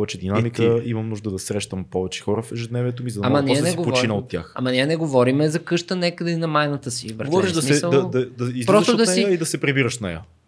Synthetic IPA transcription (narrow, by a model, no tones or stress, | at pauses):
ɔvɛt͡ʃɛd̪inamikəimɐmnuʒd̪əd̪ɐsɾɛʃt̪əmpɔvɛt͡ʃɛ̥xɔɾəfɛʒɛd̪nɛviɛt̪omizɐd̪amɐnɛnɛɡopot͡ʃinəot̪ʲːja̰xɐ̰mɐniɛnɛɡovɔɾimɛzɐkɤʃt̪ənɛkəd̪ɐinɐmajnɐt̪əsivəɾɡovɔɾiʃd̪ɐsmiɛsəlˠɐd̪ɐd̪ɐizpɾɔst̪od̪ɐsɛiid̪ɐsɛpɾibiɾəʃnɛjə̰